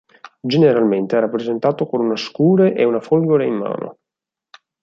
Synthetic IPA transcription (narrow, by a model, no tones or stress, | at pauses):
d͡ʒeneɾalment̪eɛɾapːɾezent̪aːt̪okonunaskuːɾeʔeunafolɡoɾeimːa̰ːno̰